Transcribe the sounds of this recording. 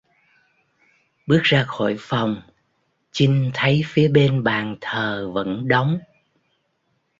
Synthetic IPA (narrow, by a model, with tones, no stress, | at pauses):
ɓɨ˦˥ək̚zaː˧xo̰˧˩˨jfa˨˩wŋ͡m | t͡ɕï˧ŋ̟t̪ʰə˨˦jfi˨˦əɓe˧nɓaː˨˩nt̪ʰəː˨˩və̰˧˥nɗa˨˦wŋ͡m